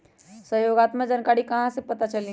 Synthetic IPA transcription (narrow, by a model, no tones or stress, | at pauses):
səɦjoɡat̪məd͡ʒənkaɽikɐɦãsẽpɐt̪at͡ʃəlĩ